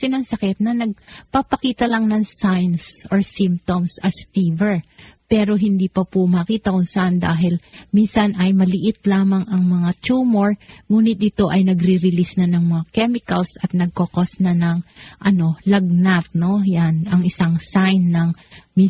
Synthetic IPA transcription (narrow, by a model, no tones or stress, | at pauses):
sɪnɐŋsɐkɛt̪̚nɐnɐɡ̚papɐkiːt̪ɐlɐŋnɐŋsajnsʔoɹsimp̚t̪omsɐsfivɛɹpɛːɾo̞ɦɪnd̪iːpɐpʊmɐkiːt̪ɐkʊnsɐʔand̪aːɦɪlminsɐnɐjmɐlɪʔɪt̪laːmɐŋɐŋmɐŋat͡ʃuːmo̞ɹŋuːnɪt̪̚ɪt̪o̞ʔɐjnɐɡɾɪɾɪlisnɐnɐŋmɐŋakɛmɪkɐlsɐt̪̚nɐɡ̚kokosnɐnɐŋʔɐno̞lɐɡ̚nat̪̚no̞janɐŋɪsaŋsajnːɐŋmi